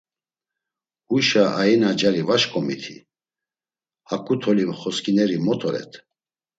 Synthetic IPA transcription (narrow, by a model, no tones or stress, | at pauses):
uʃaʔainad͡ʒaɾivaʃkʼɔmit̪ʰi | hakʼut̪ʰɔlimχɔskʰʼinɛɾimɔt̪ʰʼɔɾɛ̰t̪ʰ